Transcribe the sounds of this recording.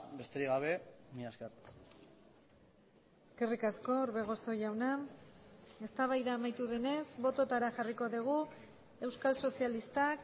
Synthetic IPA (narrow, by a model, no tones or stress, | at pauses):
be̞st̪eɾiɣaβ̞e̞miaskar | e̞ske̞rikasko̞uɾβe̞ɣ̞o̞so̞jawna | e̞st̪aβajðaːmajt̪uðe̞ne̞zβo̞t̪o̞t̪aɾaʝariko̞ðiɣ̞u | e̞wskalso̞sijalist̪ak